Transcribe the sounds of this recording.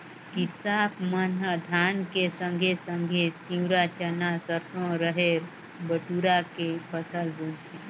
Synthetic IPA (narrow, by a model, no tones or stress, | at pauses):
kisaːpʰmənəd̪ʱaːnkesə̃ŋɡʱesə̃ŋɡʱet̪iwɾat͡ʃənasəɾsõɾəɦeɾ | bəʈuɾakepəsəlb̪ũːt̪e